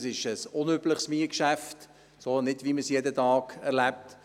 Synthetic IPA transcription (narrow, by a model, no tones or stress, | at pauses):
sɪʃəsʊnøbləχsmiəkʃæft | soːnɪdʋiməsjedətɑːɡɛɾlæp̚t